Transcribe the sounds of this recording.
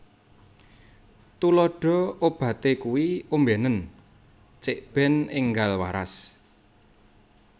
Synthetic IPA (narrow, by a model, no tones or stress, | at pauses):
t̪ulɔɖ̥ɔ̤ob̥ä̤t̪ekuwiumbɛnən | t͡ʃeʔb̥ɛ̤nɪŋɡalwa̰ɾa̰s